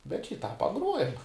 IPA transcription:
bʲɛt ʃʲiː tɑː pɐˈɡruɔjɛm

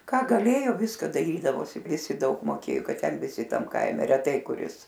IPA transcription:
kɑː ɡɐˈlʲeːjoː ˈʋʲɪskɐ dɐˈrʲiːdɐʋoːsʲɪ ˈʋʲɪsʲɪ ˈdɐʊk moːˈkʲeːjoː ˈkɐt ˈtʲɛn ʋʲɪˈsʲɪ ˈtɐm ˈkɐɪmʲɛ rʲɛˈtɐɪ kʊˈrʲɪs

